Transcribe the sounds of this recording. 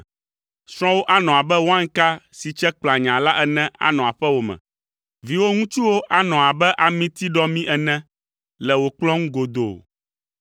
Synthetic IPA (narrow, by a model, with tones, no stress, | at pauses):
sɾ̃ɔ̃˦wo˦ʔa˦nɔ̃˨a˨bɛ˦wo˦ã˦ŋ˦ka˦si˨t͡ʃɛ˦k͡pla˨ɲã˨la˦ʔɛ˦nɛ̃˦ʔa̰˨nɔ̃˨a˨ɸɛ˦wo˨mɛ̰̃˨ | vi˨wo˦ŋũ˦t͡ʃu˦wo˦ʔa˦nɔ̃˨a˨bɛ˦ʔa˨mĩ˦t̪i˦ɖɔ˦mĩ˦ʔɛ˨nɛ̃˦ | lɛ˨wo˨k͡plɔ̃˦ŋũ˦ɡo˨d̪o̰˨